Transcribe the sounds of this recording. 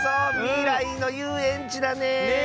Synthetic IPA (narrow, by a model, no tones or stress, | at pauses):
amiɾaino̞jɯːẽɲt͡ɕid̪ane